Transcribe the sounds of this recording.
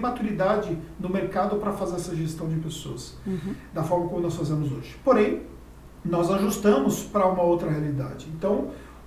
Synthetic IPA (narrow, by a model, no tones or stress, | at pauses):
mat̪uɾid̪ad͡ʒɪnʊmeɾkad̪ʊpɾɐfazeɾɛsɐʒest̪ɐ̃w̃d͡ʒɪpesoɐs | d̪ɐfɔɾmɐkõmʊnɔsfazẽmʊzo̰ʒɪpoɾẽj̃ | nɔzaʒust̪ɐ̃mʊspɾɐũmɐowt̪ɾɐhealid̪a̰d͡ʒɪẽnt̪ɐ̃w̃